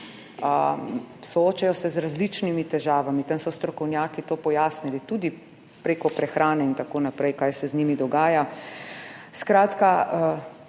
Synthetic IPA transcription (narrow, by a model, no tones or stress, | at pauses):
ə | sɔoːt͡ʃajɔsɛzɾazlit͡ʃnimit̪ɛʒaːʋamit̪amsɔst̪ɾɔkɔwnjaːkit̪oːpɔjaːsnilit̪ud̪i | pɾeːkɔpɾɛxɾʔaːnɛint̪akoːnapɾɛjkaːjsɛznimid̪ɔɡaːja | skɾaːt̪kaə